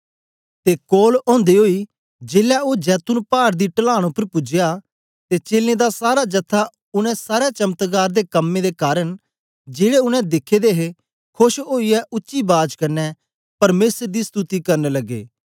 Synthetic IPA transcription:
t̪eːkoːlɔ̃ːnd̪eɦoːiː | d͡ʒeːlaːoːd͡ʒɛːt̪ʊnpaːɾd̪iːʈəlaːɽ̃ʊpːəɾpʊd͡ʒɪjaː | t̪et͡ʃeːlːẽːd̪asaːɾaːd͡ʒət̪ʰːa | ʊnɛ̃saːɾɛt͡ʃəmt̪ɡaːɾd̪eːkəmːẽd̪eːkaːɾəɳ | d͡ʒeːɽeʊnɛ̃d̪ɪkʰːeːd̪eːɦe | kʰʊʃoːiɛʔʊtːʃiːbaːd͡ʒkəɾnɛ | pɐɾmeːsəɾd̪iːst̪ut̪iːkɐɾneləɡːḛː

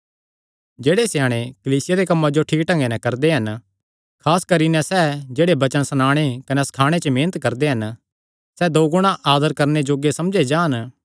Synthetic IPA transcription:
d͡ʒeːɽesjaːɽ̃ekɐliːsɪjaɾekɐmːãd͡ʒoʈʰiːk̚ʈɐ̃ŋɡenɛ̃kɐɾd̪eɦɐn | kʰaːskɐɾinɛ̃sɛd͡ʒeːɽebɐt͡ʃənsɐnaːɽ̃ekɐnɛsɐ̥kʰaːɽ̃et͡ʃəmẽːnət̪kɐɾd̪eɦɐn | sɛd̪oːɡʊɽ̃aʔaːd̪əɾkɐɾned͡ʒoːɡesɐmd͡ʒed͡ʒaːn

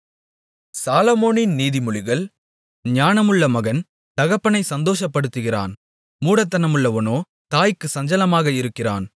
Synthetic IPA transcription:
saːlɐmoːnɪnniːðɪmʊɻɪɣɐɭ | ɲaːnɐmɯɭːɐmɐɣɐn | t̪ɐɣɐpːɐnɐɪsɐnd̪oːʂɐpːɐɽɯt̪ːɯɣɪra̰ːn | muːɽɐt̪ːɐnɐmɯɭːɐʋɐnoː | t̪aːjkːɯsɐɲd͡ʒɐlɐmaːɣɐɪɾɯkːɪra̰ːn

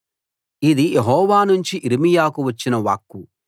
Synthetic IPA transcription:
id̪ijeɦɔːʋaːnuɲt͡ʃiʔiɾimijaːkuʋɐt͡ʃːinɐʋa̰ːkːu

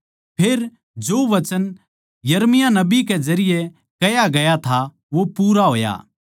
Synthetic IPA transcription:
pʰeːɾ | d͡ʒoːʋɐt͡ʃən | jɐɾmɪjanɐbikɛd͡ʒɐɾɪjɛ | kɐjaɡɐjat̪ʰa | ʋopuːɾaɦoːja̰ː

